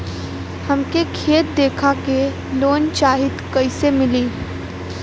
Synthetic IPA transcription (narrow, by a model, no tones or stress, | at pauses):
hɐmkekʰeːt̪̚d̪eːkʰake | loːnt͡ʃaːɦɪt̪kɐɪsemɪliː